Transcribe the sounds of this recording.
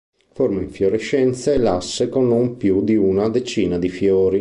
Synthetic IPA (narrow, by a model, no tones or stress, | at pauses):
formaiɱfjoɾeʃːɛnt̪saelasːekonːumpjud̪iunad̪et͡ʃiːnad̪ifjoːɾi